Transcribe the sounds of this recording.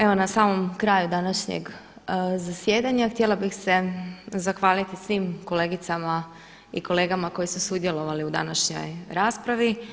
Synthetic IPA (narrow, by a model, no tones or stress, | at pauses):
e̞ʋo̞nasaːmo̞mkɾaːjud̪anaʃɲḛɡ | zasje̞ːd̪aɲaxt̪jelˠabixse̞zaxʋaːlit̪isʋiːmko̞le̞ːɡit̪sama | ḭko̞le̞ːɡamako̞jisusud̪je̞lo̞ʋaliud̪a̰naʃɲo̞̰jɾaːspɾaʋi